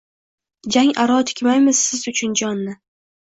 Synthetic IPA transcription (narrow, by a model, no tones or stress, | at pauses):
d͡ʒaŋaɾɒt̪ʰɪ̥kʲmajmɪzsɪzʊt͡ʃʰʊnd͡ʒɒnːɪ